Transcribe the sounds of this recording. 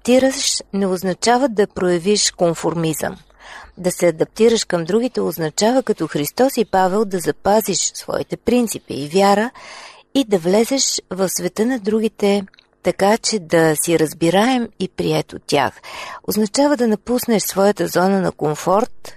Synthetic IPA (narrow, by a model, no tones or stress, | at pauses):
p̚t̪iɾəʃnɛoznɐt͡ʃavəd̪ɐpɾojɐviʃkoɱfoɾmizə̰m | d̪ɐsɛɐd̪ɐp̚t̪iɾəʃkəmd̪ɾuɡit̪ɛoznɐt͡ʃavəkɐt̪ɔxɾist̪ɔsipavɛlˠd̪ɐzɐpaziʃsvɔ̰ḭt̪ɛpɾint̪sipḭːvjaɾə | id̪ɐvlɛzɛʃvɐfsvɛt̪ənɐd̪ɾuɡ̟it̪ɛ | t̪ɐkat͡ʃɛd̪ɐsiɾəzbiɾaɛmipɾiɛt̪o̰t̪ʲːja̰xo̰znɐt͡ʃavəd̪ɐnɐpusnɛʃsvɔjət̪əzɔnənɐ̰komfɔɾt̪